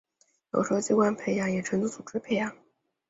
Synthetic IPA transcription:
jo̰˨˩ʊʂt͡ɕi˥kwa˥npʰe˧˥ɪjɑ˧˥ŋjɛ˨˩ʈ͡ʂʰə˧˥nt͡su˥˩t͡su˨˩ʈ͡ʂɻ̩˥pʰe˧˥ɪjɑ˧˥ŋ

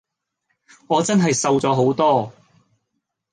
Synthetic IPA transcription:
ŋɔː˨˧t͡sɐ˥nɦɐ˨jsɐ˧wt͡sɔː˨˧˥ɦo˨˥wt̪ɔː˥

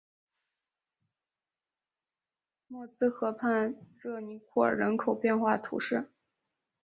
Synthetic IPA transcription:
mwɔ˥˩t͡sɹ̩˥xɤ˧˥pʰa˥˧nʈ͡ʂɤ˥˩ni˧˥kʰɔ˥˩ə̰˞˨˩ɻə̰˧˥nkʰo˨˩ʊpjɛ˥˧nxwa˥˩t̪ʰṵ˧˥ʂɻ̩˥˩

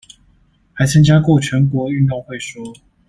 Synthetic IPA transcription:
ha˧˥ɪt͡sʰa˥ŋt͡ɕja˥kwɔ˥˩t͡ɕʰɥɛ˨˧˥nkwɔ˧˥y˥˧nt̪ʊ˥˧ŋxwe˥˨ɪʂwɔ˥

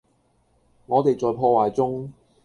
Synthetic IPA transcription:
ŋɔː˨˧t̪e˨jt͡sɔː˨˧jpʰɔː˧waː˨˩jt͡sʊ˥ŋ

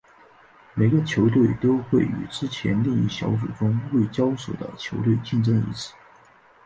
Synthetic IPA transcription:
me˨˩ɪɡə˧t͡ɕʰjo˧˥ʊt̪̬we˥˩ɪt̪o˥ʊxwe˥˩ɪy̰˨˩ʈ͡ʂɻ̩˥t͡ɕʰjɛ̰˧˥nli˥˧ŋi˥˩ɕjɑ̰˧˥ʊt͡sṵ˨˩ʈ͡ʂʊ˥ŋwe˥˩ɪt͡ɕjɑ˥ʊswɔ˨˩d̪ə̰˦t͡ɕʰjo˧˥ʊt̪we˥˧ɪt͡ɕi˥˧nʈ͡ʂɤ˥ŋḭ˧˥t͡s̩ʰ˥˩˦

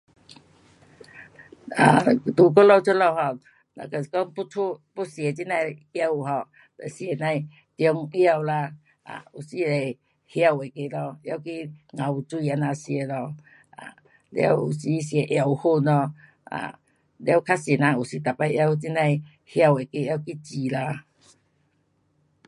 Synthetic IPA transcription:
a˨˩t̪u˨k̬ɔ˦lɔ˧wt͡ɕʰo˦lɔ˧whɔ˧˨ | na̰˧ka˧˨˧kɔ˦ŋpu˦tʰu˧pu˦si˨e˨˧˨t͡ɕi˦nã˧jja˧wu˨ɦɔ˨˧˨ | ta˨˩si˧e˨nã˧j | t̪jɔ˧ŋja˧wla˧ | a̰˨u˨˩si˧le˨˩ | hja˧we˨ke˧˨lɔ˧ja˧˨wki˦ŋã˨u˨˩t͡su˧i˧a˧nã˧si˧e˧˦lɔ˧ | a̰˨ | lj̰a̰˧wṵ˨˩si˧˦sje˧˦ʔja˧wu˧hu˥˧˨nlɔ˧ | a̰˨ | lja˧˦wkʰa˦se˨˩nã˧u˨˩si˧t̪a˨˩pa˧jja˧wt͡ɕi˦nã˧j | hja˧we˨˩ke˧ja˧wki˦t͡ɕi˨la˧

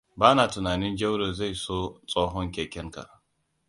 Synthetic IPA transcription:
baː˦naː˨tʊ˨naː˨nɪ˦nd͡ʒɐ˦wɽoː˨za˦˨jsoː˦t͡sʼoː˦ɦɔ˦ŋkʲeː˨kʲɛ˦ŋka̰˨ʔ

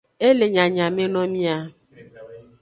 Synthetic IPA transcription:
e˦le˨ɲã˨ɲã˨me˦nɔ̃˦mĩ˦a˦

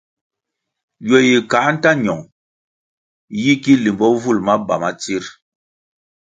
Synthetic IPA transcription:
jɔ˨ji˨ka˨˦n̩˦ta˦ɲɔ˨ŋ | ji˦ki˦li˨mbɔ˦vu˦˨lma˦ba̰˨ma˦t͡si˦ɾ

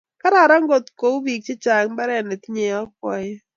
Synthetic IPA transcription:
ka˦ɾa˨ɾa˦ŋɡo˨t̪ko˨˦u˦bi˨k̚t͡ʃe˦t͡ʃa˨ŋba˦ɾɛ˦˨nɛ˨t̪i˦ɲe˨ɔ˦kwɔ˦j

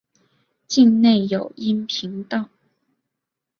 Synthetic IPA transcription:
t͡ɕi˥˧ŋne˥˩ɪjo˨˩ʊi˥npʰi˧˥ŋt̪ɑ˥˩ʊ

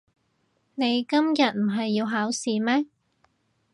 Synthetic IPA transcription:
ne˨˧jkɐ˥mjɐ˨˩t̚m̩˨˩ɦɐ˨jːiː˧wɦaː˨˥wsiː˨mɛː˥

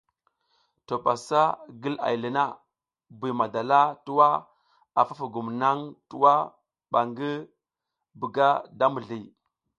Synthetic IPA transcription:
to˨ɓa˨sa˦ɡi˦la̰˨jlə˨na˦ | bi˨ma˨da˨la˦tu˦wa˦ | a˨fa˦fu˨ɡu˨mna˦ŋtu˦wa˦ | ɓa˨ŋɡi˦ | bu˨ɡa˦da˦mu˨ɮi˨

